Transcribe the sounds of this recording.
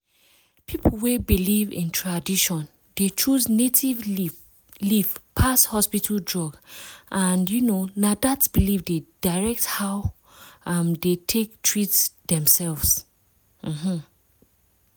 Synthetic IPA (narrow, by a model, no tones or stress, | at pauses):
pʰipʰl̩ˠwebilivḭ̃ntʰɹadiʃɔ̃n | det͡ʃuznetʰiv | livpʰashɔspitʰəldɹɔɡʔãnjunonadatsb̥ilivded̥aɹɛk̚thaʊ | ʌmdetʰek̚tʰɹitsdɛ̃msɛlvz̥ | m̩mm̩